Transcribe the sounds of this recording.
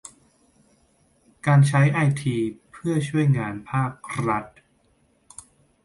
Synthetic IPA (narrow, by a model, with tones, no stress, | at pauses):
kaː˧nt͡ɕʰa˦˥jʔa˧jt̪ʰiː˧pʰɯ˥˩ɐt͡ɕʰu˥˩əjŋaː˧npʰaː˥˩k̚ɾa˦˥t̪̚